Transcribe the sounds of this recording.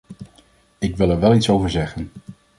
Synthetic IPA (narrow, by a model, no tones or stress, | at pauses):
ɪkʋɪlˠɛɹʋɛlˠitsowvəɹzɛχən